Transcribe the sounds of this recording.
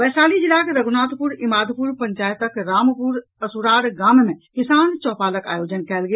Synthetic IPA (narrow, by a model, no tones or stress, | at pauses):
ʋɛːsaːlid͡ʒɪlaːkeɾɐɡʊnaːt̪pʊɾɪmaːd̪ʱpʊɾpɐ̃ɲt͡ʃaːjət̪əkɾaːmpʊɾ | ɐsuɾaːɽɡaːmmẽkɪsaːnt͡ʃɔːpaːləka̰ːjoːd͡ʒənkɛːlɡ